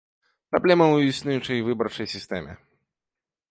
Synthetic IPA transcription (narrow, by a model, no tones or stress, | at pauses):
pɾablʲɛmɐuisnʲujut͡ʂɐjvɨbɐrt͡ʂɐjsʲist̪ɛmʲɛ̰